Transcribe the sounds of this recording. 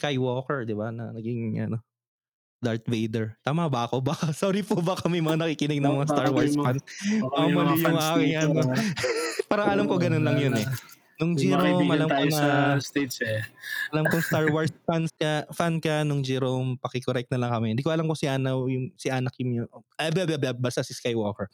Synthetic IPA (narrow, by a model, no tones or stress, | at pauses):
kajwoːkɛɹd̪ɪbanɐ̰nɐɡiŋʔɐ̰no̞ | d̪aɹt̪vejd̪ɛɹt̪aːmabakobakasoːɾipʊbakɐmɐjmɐŋanɐkikɪnɪɡ̚nɐŋmɐŋast̪aɹwaɹsfanbaamɐlamakɪŋɐno | paːɾɐŋʔɐlamkoɡɐnonlɐŋjonɛ | nʊŋd͡ʒiɾomʔɐlamkonɐst̪ed͡ʒɛɐlamkoŋst̪aɹwɐɹsfanskɐfankɐnʊŋd͡ʒɛɾompɐkɪkoɾɛk̚t̪nɐlɐŋkɐmɛhɪnd̪iːkoɐlamkosɪʔaːnɐwjʊŋsɪʔaːnɐk̚jʊŋoʔoɐbabababast̪asɪskajwoːkɛɹ